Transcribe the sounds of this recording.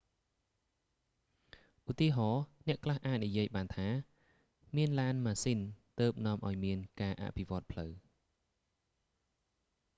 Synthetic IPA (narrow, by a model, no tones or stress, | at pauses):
ʔut̪iəɦɑːnɛ̆əʔkʰlahʔaːt̪̚nijiəjɓaːnt̪ʰaː | miənlaːnmaːsint̪əːp̚nŏəmʔaɔjmiənkaːʔa̰ʔpʰiʋŏət̪̚pʰləw